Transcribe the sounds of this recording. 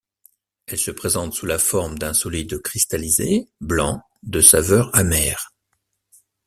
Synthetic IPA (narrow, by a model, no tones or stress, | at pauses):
ɛlsəpχezɑ̃t̪sulafɔʁmd̪ɛ̃sɔlid̪əkχist̪alizeblɑ̃ | d̪əsavœʁamɛːʁ